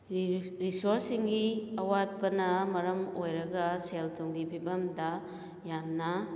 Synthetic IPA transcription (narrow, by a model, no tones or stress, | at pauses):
ɾisoɾsiŋɡiɐwad̚pɐnɐmɐɾɐmojɾɐɡɐseltʰoŋɡibʰʱibɐmdɐ | jamnɐ